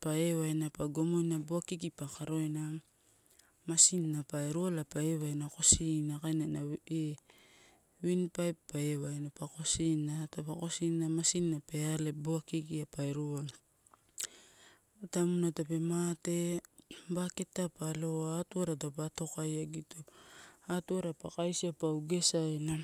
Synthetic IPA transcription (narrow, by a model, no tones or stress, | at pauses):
paewajnapaɡomojnaboakikipakaɾo̞jna | masinːapaeɾualapaeβajnako̞sinakajnanae | winpajpːaewajnapako̞sinatapako̞sinːamasinːape̞aleboakiɡiapajɾual | atamunatape̞mate̞ | baketːapaloatuaɾatap̬ato̞kajaɡitoatuaɾapakajsiapawɡe̞sajla